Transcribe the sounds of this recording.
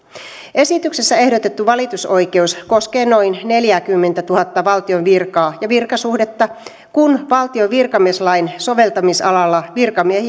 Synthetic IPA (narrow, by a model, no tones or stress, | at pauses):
ʔe̞sit̪yksesːæe̞hdo̞t̪e̞t̪ːuʋɑlit̪uso̞jke̞usko̞skeːno̞inne̞ljækymːent̪æt̪uhɑt̪ːɑʋɑlt̪io̞nʋirkɑːjɑʋirkɑsuhdet̪ːɑ | kunʋɑlt̪ioʋirkɑmieslɑinso̞ʋe̞lt̪ɑmisɑ̰lɑlːɑʋirkɑmiehi